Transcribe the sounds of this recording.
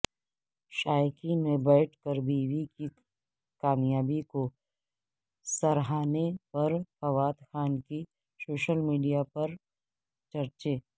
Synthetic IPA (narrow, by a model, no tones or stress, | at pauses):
ʃaːjkimẽbɛːʈʰkɐɾbiːʋiki | kaːmjaːbiko | sɐɾɦaːnepɐɾfɐʋaːt̪xaːnki | soːʃəlmiːɖijapɐɾ | t͡ʃɐɾt͡ʃeː